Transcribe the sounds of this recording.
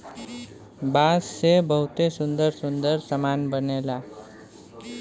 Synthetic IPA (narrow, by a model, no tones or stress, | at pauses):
basːebəɦut̪esʊnd̪əɾsʊnd̪əɾsəmanbənela